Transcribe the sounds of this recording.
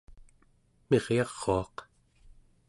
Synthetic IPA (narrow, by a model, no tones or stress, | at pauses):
meʁjɑʁ̥ːoɑq